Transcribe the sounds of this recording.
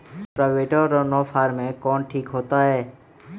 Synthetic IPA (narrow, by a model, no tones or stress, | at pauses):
pɾəʋeːʈoɾɔnɔːfʰaːɾmẽkɔːnʈʰiːkɦoːt̪aɦɛː